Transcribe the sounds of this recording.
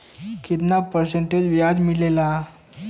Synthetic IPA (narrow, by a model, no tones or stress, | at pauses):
kit̪napəɾseɳʈed͡ʑʋjad͡zmilela